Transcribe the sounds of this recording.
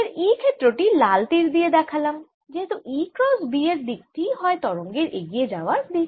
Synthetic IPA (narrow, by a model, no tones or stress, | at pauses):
eɾiːkʰeʈ̪ɾoːʈilaːlt̪iɾd̪ied̪ɛkʰɐlɐm | d͡ʒet̪oʔiːkɾɔːzbiːeɾd̪it̪iɦɔet̪ɔɾõŋɡeɾʔeɡied͡ʒaːʋazd̪i